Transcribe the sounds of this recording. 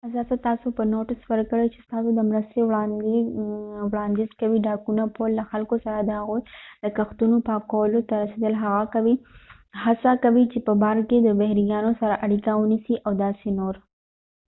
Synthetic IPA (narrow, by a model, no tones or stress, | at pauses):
azɑsat̪ɑsopənoʈɪswəɾkəɽəjt͡ʃest̪ɑsod̪əmɾəst̪ew | wɽɑnd̪izkawiɖɑkunapolːaxalkosaɾad̪əhaɣujd̪əkaxt̪unopɑkawəlot̪aɾased̪əlɦaɣakawi | hasakawit͡ʃepəbɑɾked̪əbahɾijɑnosaɾaʔaɽikawənisiʔawd̪ɑsenoɾ